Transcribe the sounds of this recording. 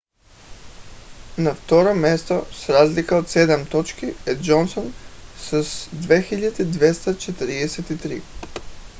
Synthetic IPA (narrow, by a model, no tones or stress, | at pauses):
naft̪oɾomʲjest̪osɾaːzlikaot̪sed̪amt̪ot͡ʃkied̪d͡ʒonsonsasd̪ʋexiʎad̪ed̪ʋest̪at͡ʃet̪ɾid̪eset̪it̪ɾḭː